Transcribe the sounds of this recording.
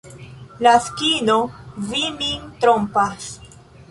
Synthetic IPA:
laskino̞vimint̪ɾompas

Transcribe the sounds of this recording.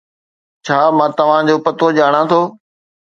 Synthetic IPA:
t͡ɕʰaːmãːt̪ɐʋ̤ãd͡ʑoːpɐt̪oʄaːɽ̃ãt̪ʰoː

